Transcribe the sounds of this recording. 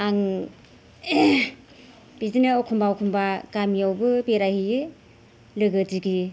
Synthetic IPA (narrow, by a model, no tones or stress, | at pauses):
aŋ | b̥izinɯɔkʰumbaɔkʰumbaɡamijawbɯbeɾahijɯ | lɯɡɯdiɡi